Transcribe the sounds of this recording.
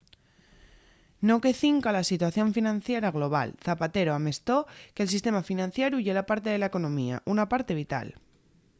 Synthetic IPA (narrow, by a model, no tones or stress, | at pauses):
no̞ke̞θiŋkalasit̪waθjo̞ɱfinãnθjeɾaɣ̞lo̞β̞a̰lθapat̪e̞ɾoame̞st̪o̞ke̞ls̬ist̪e̞mafinãnθjeɾjuʝelapaɾt̪e̞ðelaeko̞nõ̞mia̰ʔunapaɾt̪e̞βit̪a̰l